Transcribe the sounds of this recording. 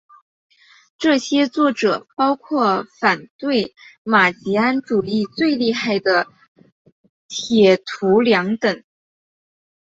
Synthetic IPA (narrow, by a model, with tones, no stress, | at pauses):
ʈ͡ʂɤ˥˩ɕjɛ˥t͡swɔ˥˩ʈ͡ʂɤ̰˨˩pɑ˥ʊkʰwɔ˥˩fa˨˩nt̪we˥˩ɪma˨˩t͡ɕi˧˥a˥nʈ͡ʂu˨˩i˥˧t͡swe˥˧ɪli˥˧xa˥˩ɪd̪ə˩ | t̪ʰjɛ˨˩t̪ʰu˧˥ljɑ˧˥ŋt̪ɤ˨˩˦ŋ